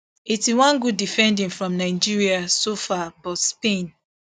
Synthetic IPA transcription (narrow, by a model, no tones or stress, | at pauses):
itiwãnɡudːifɛ̃ndĩnfɹɔ̃mnaɪd͡ʒiɹiasofabɔtspẽn